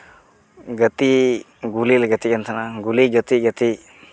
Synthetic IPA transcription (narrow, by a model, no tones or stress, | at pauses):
ɡət̪i | ɡulilɡət̪ikənt̪ʰanaɡuliɡət̪iɡət̪i